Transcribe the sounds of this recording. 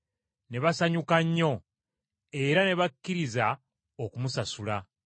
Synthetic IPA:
ne̞βasaɲukaɲːo̞ | e̞ɾane̞βakːiɾiza | okumusasula

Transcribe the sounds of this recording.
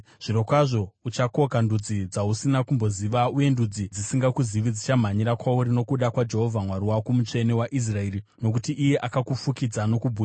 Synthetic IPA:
ʐ̥iɾo̞kwaʐo̞ut͡ʃako̞kandud͡zid͡zausinakumbo̞ziʋauje̞ndud͡zid͡zisiŋɡakuziʋid͡zit͡ʃam̤aɲiɾakwauɾino̞kuɗakwad͡ʒe̞ɦo̞vʱamwaɾiwakumut͡ʂe̞newaʔis̬rae̞ːɾino̞k̬utiʔije̞ʔakakufukid͡zano̞kubʱu

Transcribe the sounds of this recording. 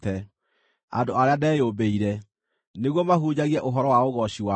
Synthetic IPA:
tɛ | a̰doaɾeadɛːjobeiɾɛ | neɣwɔmaɦuɲaɣiɛʔoɦɔɾɔwaoɣɔɕiwa

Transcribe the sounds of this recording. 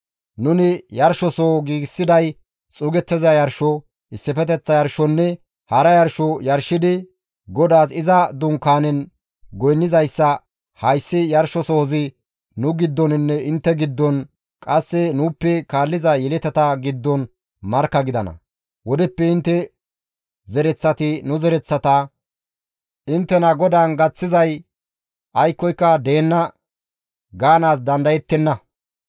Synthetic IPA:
nʊnɪjɐɾʃɔsoːɡiːɡsːɪd̪ɐj | t͡sʼʊːɡɛt̪ːɛzɐjɐɾʃɔ | ɪsːɪfɛt̪̬ɛt͡sːɐjɐɾʃɔnːɛ | hɐɾɐjɐɾʃɔjɐɾʃːɪd̪ɪ | ɡɔd̪aːsɪzɐd̪ʊŋkːaːnɛn | ɡɔjnːɪzɐjsːɐ | hɐjsːɪjɐɾʃɔsɔhɔzɪ | nʊɡɪd̪ːɔnɪnːɛɪnt̪ːɛɡɪd̪ːɔn | kʼɐsːɛnuːpːɛkaːlːɪzɐjɛlɛt̪ɛt̪ɐɡɪd̪ːɔn | mɐɾkːɐɡɪd̪ɐnɐ̰ | wɔd̪ɛpːɛɪnt̪ːɛ | zɛɾɛt͡sːɐt̪ɪnʊzɛɾɛt͡sːɐt̪ɐ | ɪnt̪ːɛnɐɡɔd̪aːnɡɐt͡sːɪzɐj | ʔɐjkːɔjkːɐd̪e̞ːnːɐ | ɡaːnaːs̬d̪ɐnd̪ɐjɛt̪ːɛnːɐ

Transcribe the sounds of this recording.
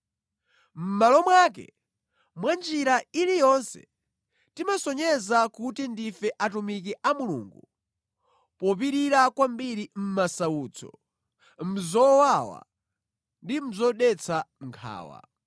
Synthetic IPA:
m̩malɔmwak̬ɛ̰ | mwand͡ʒiɾailijɔnsɛ̰̥ | timasɔɲɛzakutindifɛʔatumik̬iʔamulṵŋɡu | pɔp̬iɾiɾakwambiɾim̩masauːt͡sʰɔ̰ | m̩zɔwawa̰ | ndim̩zɔɗɛt͡sʰaŋ̩kʰa̰ːwa̰

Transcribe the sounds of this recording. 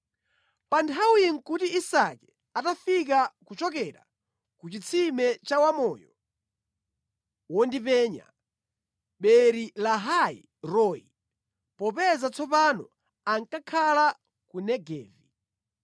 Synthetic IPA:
pantʰawiŋkutiisakɛ | atafik̬akut͡ʃɔkɛɾa̰ | kut͡ʃit͡sʰimɛt͡ʃawamɔːjɔ | wɔndipɛːɲa̰ | ɓɛɾilaɦaḭ | ɾɔḭ | pɔpɛzat͡sʰɔpanɔ̰ | aŋkakʰala | kunɛɡɛ̰ːvi

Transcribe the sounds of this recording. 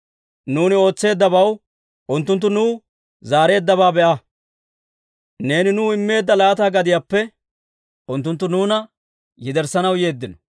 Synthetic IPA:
nuːnɪo̞ːt͡sːe̞ːd̪ːɐbɐw | ʔʊnt̪ːʊnt̪ːʊnuː | zaːɾe̞ːd̪ːɐβaːbɛʔɐ | ne̞ːnɪnuːɪmːe̞ːd̪ːɐlaːt̪aːɡɐd̪ɪjaːpːɛ | ʊnt̪ːʊnt̪ːʊnuːnɐ | jɪd̪ɛɾsɐnɐwje̞ːd̪ːɪnɔ̥

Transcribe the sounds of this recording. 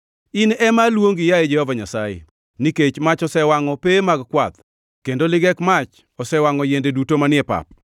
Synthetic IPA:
ɪnɛmalwoŋɡɪjaed͡ʒɛhɔvaɲasajḛ | niket͡ʃmat͡ʃɔsɛwaŋɔpemaɡkwat̪ | kendolɪɡɛkmat͡ʃ | ɔsɛwaŋɔjendedutomanɪɛpa̰p̚

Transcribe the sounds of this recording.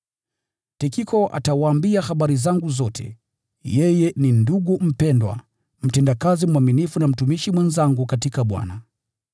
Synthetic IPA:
tikikɔʔa̰tawaːmbiahaɓaɾizaŋɡuzɔtʰɛ̰ | jɛjɛninduɡum̩pɛndwa̰ | m̩tɛndakazimwaminifunam̩tumiʃimwɛnzaŋɡukatikaɓwa̰na

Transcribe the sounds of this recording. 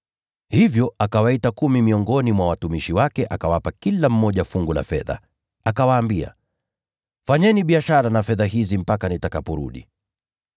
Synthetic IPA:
hivjɔakawaitakumimiɔŋɡɔnimwawatumiʃiwakɛʔakawapakilam̩mɔʄafuŋɡula̰fɛ̰ða̰ | akawaːmbia̰ | faɲɛniɓiaʃaɾanafɛðaɦizim̩pakanitakapɔɾṵɗḭ

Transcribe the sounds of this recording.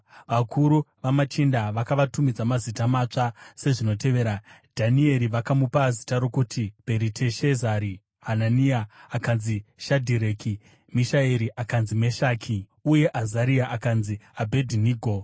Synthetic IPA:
ʋakʰuɾuʋamat͡ʃindaʋakaʋatumid͡zamazitamat͡ʂase̞ʐino̞te̞ʋe̞ːɾadʱanie̞ɾiʋakamupazitaɾo̞kutʰibʱe̞ɾitʰe̞ʃezaɾi | ɦananiaːkanziʃadʱiɾe̞ːki | miʃaeɾiʔakanzime̞ʃaːkʰi | uje̞ʔazaɾiaʔakanziabʱe̞dʱiniːɡʱo̞

